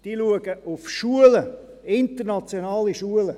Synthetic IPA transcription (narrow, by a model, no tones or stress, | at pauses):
d̥iːluəɡəʔʊfʃuələ | ɪntənɑt͡sjonɑːliʃuələ